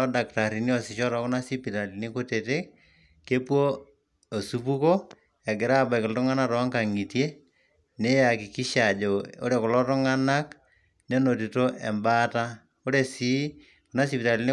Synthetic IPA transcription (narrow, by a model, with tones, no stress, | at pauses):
ɔ˦da˨kta˨ɾi˨ni˦ɔ˨sɪ˨ʃɔ˦ɾɔ˨˦kʊ˦na˦si˦pi˨ta˨li˨ni˦ko˦te˨te˦k̚ | ke˦pwo˦ | o˨su˦p̬u˦ko˦ | ɛ˨ɡɪ˨ɾa˦˨ba˨kɪ˨ltʊ˦ŋa˦na˦tɔ˨˦ŋka˨ŋi˨tje˦ | ne˦ja˨ki˨ki˦ʃa˨d͡ʒo˨o̰˦ɾe˦˨kʊ˨lɔ˦tʊ˦ŋa˦na˦k | ne˦no˨t̬i˨to˦ʔɛ˨mba˦ta˦ | o˦ɾe˨si˦ | kʊ˨na˦si˨pi˨ta˨li˦nɪ˦